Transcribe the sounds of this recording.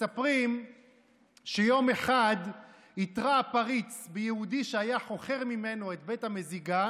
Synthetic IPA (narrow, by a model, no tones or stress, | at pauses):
sapʁim | ʃejo̞me̞χad̪ | it̪ʁaːpaʁit͡sbejehudiʃeajaχo̞χe̞ʁmime̞no̞et̪̚bethameziɡa